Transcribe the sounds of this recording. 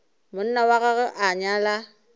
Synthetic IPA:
mʊn̩nawaɣaɣɛʔaɲala

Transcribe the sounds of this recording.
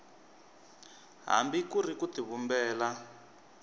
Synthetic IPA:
ɦa̰mbikurikutiβumbɛːla

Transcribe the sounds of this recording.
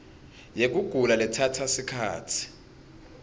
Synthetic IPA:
jek̬uɡ̥ʱulalɛtʰatʰasikʰa̰ːtʰi̥

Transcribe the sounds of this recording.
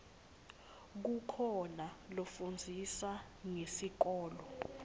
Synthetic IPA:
k̬ukʰɔnalofund͡zʱisa | ŋesik̬ɔːlɔ

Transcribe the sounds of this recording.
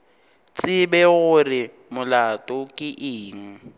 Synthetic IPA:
t͡sʼɪbɛɣʊrɪ | mʊlatʼɔkʼɪʔɪːŋ̩

